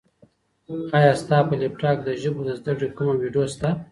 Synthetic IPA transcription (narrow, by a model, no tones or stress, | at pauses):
ajɑst̪ɑpəlepʈɑːk̚d̪əʒʊbod̪əzd̪akɽekumawiɖjost̪a